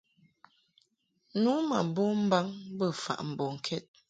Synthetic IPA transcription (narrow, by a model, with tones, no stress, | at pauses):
nu˨˦ma̰˨bo˦m̩˦ba˦ŋbə˦˨fa̰˨ʔm̩˨bɔ˨ŋ̩˨kʰɛ˦t̚